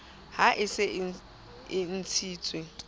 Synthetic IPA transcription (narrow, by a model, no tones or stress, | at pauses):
haʔɪsɪ | ɪn̩t͡sʰiːt͡sʼwɪ